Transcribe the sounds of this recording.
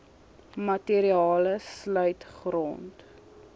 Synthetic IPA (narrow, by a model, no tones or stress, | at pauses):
mɐteɾiɑːləslœɥtχrɔ̰nt